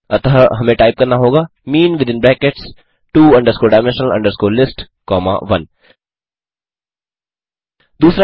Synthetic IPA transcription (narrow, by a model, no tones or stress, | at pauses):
ɐt̪aɦɐmẽʈaːɪp̚kɐɾnaɦoːɡaː | miːnʋɪd̪ɪ̃nblɛ̃ːkeʈs | ʈuːɐ̃ɳɖəɾskoːɖaːɪmɛ̃nʃnəlɐ̰̃ɳɖəɾskoːlɪsʈ | kɔːma̰ʋɐ̃n | d̪uːsɾa